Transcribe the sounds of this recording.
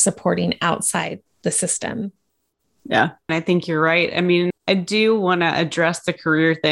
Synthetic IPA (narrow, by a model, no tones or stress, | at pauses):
sɨpʰɔɹɾɪ̃ŋaʊtsaɪd̪̚ðɨsɪstɨ̰̃m | jæ̰̃naɪθɪ̃ŋkjə˞ɹaɪt̚a̰ɪmĩnaɪdɨwɑ̃nɨʔɨdɹɛsðɨkʰə˞ɪɹθɪ̃